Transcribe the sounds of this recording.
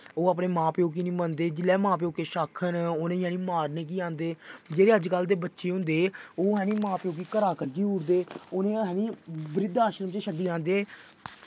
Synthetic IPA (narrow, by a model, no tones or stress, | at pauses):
oːaːp̬neːmãːpeːoːk̬iːnĩːmənd̪eːd͡ʒɪlɛːmãːp̬eːoːkeːʃaːkʰːənoːnẽːjɛ̃ːnĩːmaːɾneːk̬iːãːnd̪eːd͡ʒeːɾeːəd͡ʒkəld̪eːbətːʃeːɦʊ̃nd̪eːoːɦɛ̃ːniːmãːpeːoːk̬iːkəɾaːkəd͡ʒiːʊːɽd̪eːoːnẽːɦɛːnĩːbɾɪd̪aːʃəɾəmt͡ʃeʃəɖiːãːnd̪eː